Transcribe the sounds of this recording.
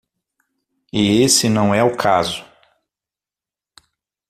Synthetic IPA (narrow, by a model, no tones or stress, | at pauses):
ɪesɪnɐ̃w̃ɛʊkʰazʊ